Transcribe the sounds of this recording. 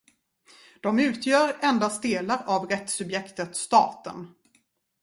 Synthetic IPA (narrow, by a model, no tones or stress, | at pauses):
d̪̥ɔmʉ̟ːt̪ʰjœːɾɛnd̪ast̪̚d̪eːlaɾavɾɛt̪sɵbjɛkt̪ət̪st̪ɑ̰ːt̪ə̰n